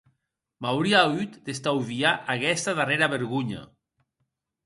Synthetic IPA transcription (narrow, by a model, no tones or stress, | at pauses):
mawɾiayt̪d̪est̪awβiaʔakɛst̪aðareɾaβeɾɣuɲa̰